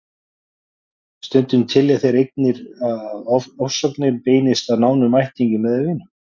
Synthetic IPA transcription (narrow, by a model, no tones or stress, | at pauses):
st̪ʏnt̪ʏmt̪ʰɪljaθejɾejk̚nɪɾaðaðɔɔfsœknɪɾpeːjnɪst̪aðnaːwnʏmajht̪iɲcɪmɛðʏvɪnʏm